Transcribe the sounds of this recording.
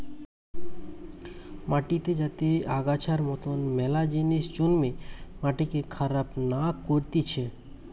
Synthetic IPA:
maʈit̪ed͡ʑat̪eaɡat͡ɕʰaɾmɔt̪onmɛlad͡ʑiniʃd͡ʑonmemaʈikekʰaɾapnakoɾt̪it͡ɕʰe

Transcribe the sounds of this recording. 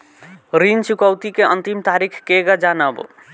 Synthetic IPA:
ɾint͡ʃukəwt̪ikeənt̪imt̪aɾikʰkeɡad͡ʒanəb

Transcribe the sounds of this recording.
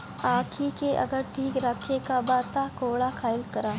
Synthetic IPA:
aːkʰikeʔɐ̰ɡəɾʈʰiːkɾakʰekabaːt̪akoːɭakʰaːɪlkɐɾaː

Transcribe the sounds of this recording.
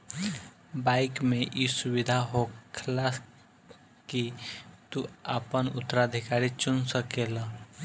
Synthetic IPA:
baːɪkmẽʔisʊwɪd̪ʱaɦokʰlas | kit̪ua̰pənʊ̰t̪ːəɾad̪ʱɪkaːɾit͡ʃʊnsəkela

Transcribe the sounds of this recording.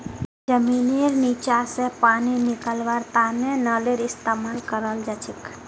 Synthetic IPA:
d͡ʒəminiɾnit͡ʃasepaninikəlʋaɾt̪anenəleɾist̪amalkəɾəld͡ʒat͡ʃʰik

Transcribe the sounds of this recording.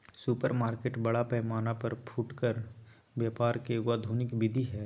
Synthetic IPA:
suːpəɾmaːɾkeːʈbɐɽapɛːmaːnapɐɾpʰuːʈkəɾ | bjaːpaːɾkeɡaːd̪ʱuːnɪkbɪd̪ʱiɦɛː

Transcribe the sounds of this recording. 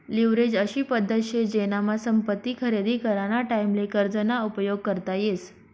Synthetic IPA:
liʋɾed͡ʑəɕiːpəd̪ʱːət̪ɕed͡ʑenamasəmpət̪ːiːkʰəɾed̪ʱiːkəɾaɽ̃aʈaimlekəɾd͡zənaupəjoɡ̚kəɾt̪ajes

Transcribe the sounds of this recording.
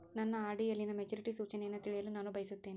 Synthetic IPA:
nɐnːɐaːɾɖijɐlːinɐmed͡ʒuːɾiʈisuːt͡ʃɐnejɐnːɐt̪iɭijɐlunaːnubʱɐjisut̪ːe̞ːni

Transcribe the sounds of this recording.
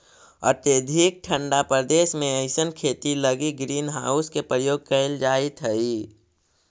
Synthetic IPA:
ə̰ɾt̪ed̪ʱik̚ʈʰə̃ɳɖapɾəd̪eːʃmẽəɪsənkʰeːt̪iləɡiɡɾiːnɦaːʊskepɾəjoːɡ̚kəɪld͡ʒaːit̪ʰɦəi

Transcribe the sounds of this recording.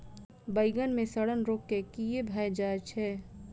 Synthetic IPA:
bəɪɡənmẽsəɽənɾoːkːekijebʱaːjd͡ʒaːt͡ʃʰɛː

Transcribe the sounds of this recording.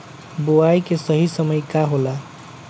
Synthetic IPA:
boajkesəɦisəmʌjkaɦola

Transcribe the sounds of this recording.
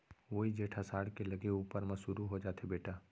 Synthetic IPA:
ʋoːɦid͡ʒeːʈʰasaːɽkelɐɡeuːpəɾmɐsuːɾuɦod͡ʒaːt̪ʰebeːʈaː

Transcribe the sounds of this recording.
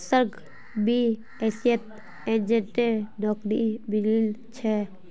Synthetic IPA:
səɾɡ | bi | esjət̪̚ | end͡ʒenʈeɾnɔkɾibililt͡ʃʰɛ

